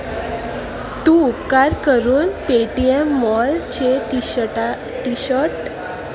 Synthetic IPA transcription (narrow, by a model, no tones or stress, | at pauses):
t̪ũːupkaɾkəɾuːnpeʈiemːɔlt͡ɕeʈi | ʈiɕəɾʈ